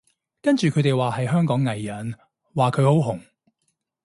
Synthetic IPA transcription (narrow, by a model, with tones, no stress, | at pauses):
kɐ˥nt͡ʃyː˨kʰɵ˨˧˥t̪e˨jwaː˨˩hɐ˨jɦœː˥ŋkɔː˨˥ŋːɐ˨jːɐ˨˥n | waː˨˩kʰɵ˨˧ɥho˨˥wɦʊ˨˩ŋ